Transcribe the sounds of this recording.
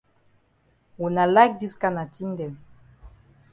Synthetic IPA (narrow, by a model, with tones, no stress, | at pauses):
wu˨na˨la˦k̚di˦ska˦na˨ti˦ndɛ˨n